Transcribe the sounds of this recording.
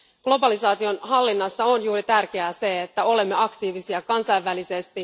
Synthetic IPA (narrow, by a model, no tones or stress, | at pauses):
ɡ̥lo̞bɑlisɑːt̪io̞nɦɑlːinːɑsːɑonjuːɾit̪ærk̟e̞æse̞et̪ːæo̞le̞mːe̞ɑkt̪iːʋisiɑkɑnsɑjʋːælisest̪i